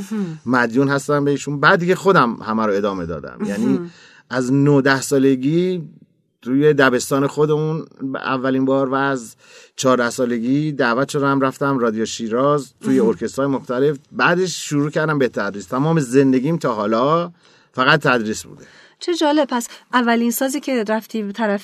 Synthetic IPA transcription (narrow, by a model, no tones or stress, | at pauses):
mæd̪juːnɦæst̪æmbe̞iːʃunbæd̪icexo̞d̪æmhæmæɾoe̞d̪ɒːme̞d̪ɒ̰ːd̪æ̰mjæniː | ʔæznod̪æhsɒːle̞ɡiː | t̪ʰuːje̞d̪æbe̞st̪ɒːne̞xo̞d̪e̞unæ̰vːælinbɒːɾvæːz | t͡ʃʰɒːɾd̪æhsɒːle̞ɡiːd̪æːvæt̪ʃo̞d̪æmræft̪æmrɒːd̪ijoʃiːɾɒːzt̪ʰuːje̞oɾcʰe̞st̪hɒːjemo̞xt̪ʰæle̞fbæːd̪e̞ʃʃuɾuːcʰæɾd̪æmbet̪ʰæd̪ɾiːst̪ʰæmɒːmeze̞nd̪e̞ɡiːmt̪ʰɒːɦɒːlɒː | fæɣæt̪̚ʰːæd̪ɾiːsbṵːd̪e | t͡ʃʰed͡ʒɒːleb̚pʰæsʔævːæliːnsɒːziːcʰe̞ɾæft̪ʰiːbet̪ʰæɾæf